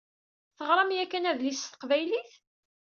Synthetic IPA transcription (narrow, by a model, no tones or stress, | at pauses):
θəʁɾˤɑmjækːænæðlist̪ə̥qvæjliθ